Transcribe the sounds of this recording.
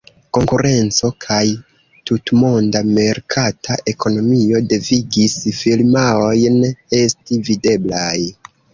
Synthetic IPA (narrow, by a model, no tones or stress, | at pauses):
ko̞ŋkuɾe̞nt͡so̞kʰaj | tutmo̞ndame̞ɾkʰatʰaʔe̞kʰo̞no̞mio̞de̞viɡisfilmaojne̞stivide̞blaj